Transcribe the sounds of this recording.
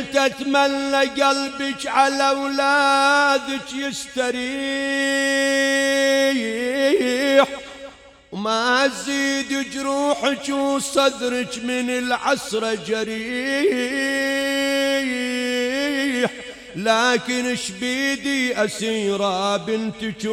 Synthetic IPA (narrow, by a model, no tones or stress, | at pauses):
t̪at̪manːaɡalbɪkʕalawlaːd̪ɪt͡ʃjɪst̪aɾiː | ħ | wmaziːd̪it͡ʃɾuːħɪt͡ʃwsˤɑd̪ɾɪt͡ʃmɪnɪlʕasɾˤɑd͡ʒaɾiː | ħ | laːkɪnɪʃbiːd̪iʔasiːɾˤabɪnt̪t͡ʃ